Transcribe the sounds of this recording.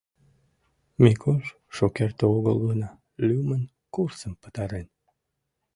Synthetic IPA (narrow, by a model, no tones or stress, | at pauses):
mekʰoʃ | ʃokert̪əoɣə̰lɣənɑ | lʲymən | kursəmpə̥t̪ɑɾen